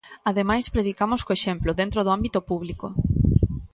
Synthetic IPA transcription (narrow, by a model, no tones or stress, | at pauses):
aðemajspɾeðikamoskoeʃemploðent̪ɾoðoambit̪opuβ̞liko̰